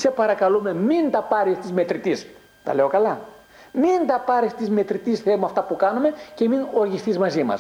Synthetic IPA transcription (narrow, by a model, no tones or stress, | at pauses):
se̞pɐɾɐkɐlume̞mint̪ɐpɐɾist̪izme̞t̪ɾit̪is | t̪ɐ̰le̞o̞kɐlɐ | mint̪ɐpɐɾist̪izme̞t̪ɾit̪isθe̞moɐft̪ɐpukɐnume̞ce̞mino̞ɾʝisθizmɐzimɐ̰s